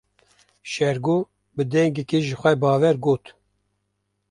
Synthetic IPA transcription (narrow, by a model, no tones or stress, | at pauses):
ʃɛɾɡoː | bɨd̪ɛŋɡɛkeʒɨxʷɛbɑːvɛɾɡoːt̪